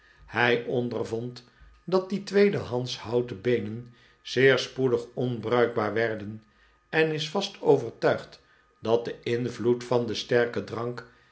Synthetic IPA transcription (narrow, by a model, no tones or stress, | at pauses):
hɛjʔɔndərvɔnt | dɑt̚ditʋejdəɦɑnshɑwtəbejnən | z̥ɪːɹspudəχɔnbrœɥɡ̚baːɹʋɛɹdən | ɛnɪsfɑstʰowvəɹtœɥχt | dɑt̚dəɪnvlutfɑndəstɛɹkədrɑŋk